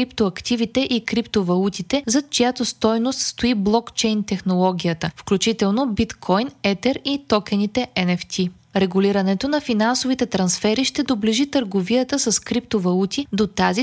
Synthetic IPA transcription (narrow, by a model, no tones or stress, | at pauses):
ɾipt̪oɐkt̪ivit̪ɛʔikɾipt̪ovɐlˠut̪it̪ɛzɐt͡ʃojat̪ost̪ɔjnost̪st̪oiblˠɔkt͡ʃɛjnt̪ɛxnolˠɔɡ̟ʲijət̪əfklʲut͡ʃit̪ɛlˠnobit̪kʰɔjnɛt̪ɛɾit̪ɔkɛnit̪ɛʔɛnɛft̪ʰi | ɾɛɡuliɾɐnɛt̪onɐfinansovit̪ɛt̪ɾɐnsfɛɾiʃt̪ɛd̪obliʒit̪əɾɡoviət̪əsɐskɾip̚t̪ovɐlˠut̪id̪ot̪azi